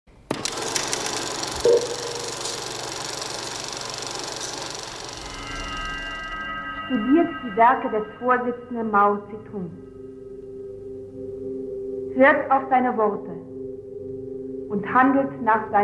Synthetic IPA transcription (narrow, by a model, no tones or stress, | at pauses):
ʃtudiːɐtd̥iːvɛɐkədɛsfoːɐzɪt͡sn̩dənmaʊt͡sitʰun | v̥ɪɐtaʊfz̥aɪnəvɔʁtə | ʔʊnthandl̩tnaːχz̥aɪ